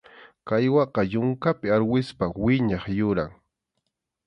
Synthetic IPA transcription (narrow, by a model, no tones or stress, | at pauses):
kajwɑqɑjʊŋkapɪaɾwɪspawɪɲɑχjʊɾa̰ŋ